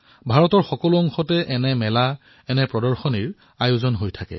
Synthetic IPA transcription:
bʱaɹɔtɔɹxɔkɔluɔŋxɔtɛʔɛnɛmɛla | ɛnɛpɹɔdɔɹxɔniɹ | ajʊzɔnɦojtʰakɛ̰

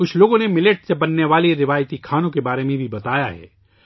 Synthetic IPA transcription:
ʊt͡ʃʰloːɡõnemɪleʈsebɐnːeʋaːliɾɪʋaːjt̪ikʰaːnõkebaːɾemẽbʱibɐt̪aːjaɦɛ̰ː

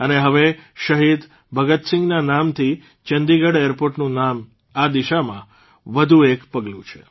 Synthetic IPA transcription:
əneɦəʋeʃəɦid̪ | bʱəɡət̪sɪ̃ŋɡnanamt̪ʰi | t͡ʃənd̪iɡəɽjəɾpoɾʈnũnam | ad̪iʃamã | ʋəd̪ʱuekpəɡlṵ̃t͡ʃʰe̥̰

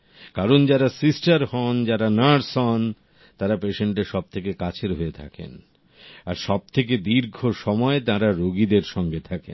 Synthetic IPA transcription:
kaɾond͡ʑaɾasisʈaɾhɔnd͡ʑaɾanaɾsɔn | t̪aɾapeʃeɳʈeʃɔb̚t̪ʰekekat͡ɕʰeɾɦoet̪ʰa̰kḛn | a̰ɾʃɔb̚t̪ʰek̬ed̪iɾɡʱoʃɔmɔet̪ãɾaɾoɡid̪eɾʃɔŋɡet̪ʰakḛn

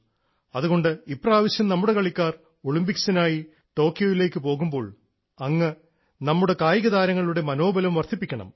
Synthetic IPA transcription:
ɐðuɣo̞ɳɖɨipːraːʋɐɕjɐmnɐmːuɽe̞kɐɭikʲːaːr | oɭimbiksinaːji | ʈo̞ːkːijoːʋile̞ːkːɨpo̞ːɣumbo̞ːɭ | ɐŋːɐ | nɐmːuɽe̞kaːjiɣɐðaːɾɐŋːɐɭuɽe̞mɐno̞ːbɐlɐmʋɐrt̪ʰipːikʲːɐɳɐ̰m

